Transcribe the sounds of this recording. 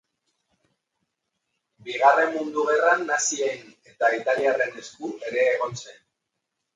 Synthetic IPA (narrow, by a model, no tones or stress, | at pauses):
biɣ̞are̞mːund̪uɣ̞e̞ranːasiene̞t̪ait̪aliare̞neskue̞ɾe̞ːɣ̞o̞nse̞n